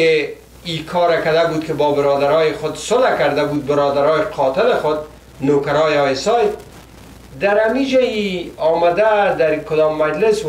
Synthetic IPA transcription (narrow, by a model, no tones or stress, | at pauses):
ɪ | ikʰɔɾakad̪abud̪kɪbɔbɪɾɔd̪aɾɒjɪxʊd̪sʊlakaɾd̪abud̪̚bɪɾɔd̪aɾɔjɪqʰɒt̪ɪlɪxʊd̪̚ | nokaɾɔjɔɪsɔj | d̪aɾhamid͡ʒaiɒmad̪ad̪aɾkʊd̪ɔmːad͡ʒlɪs